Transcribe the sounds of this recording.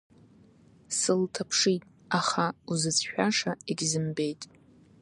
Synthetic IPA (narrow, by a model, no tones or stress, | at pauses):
sɨltʰapʰʂitʼ | aχauzɨt͡sʰʃᶣaʂaiɡʲzɨmbe̞jtʼ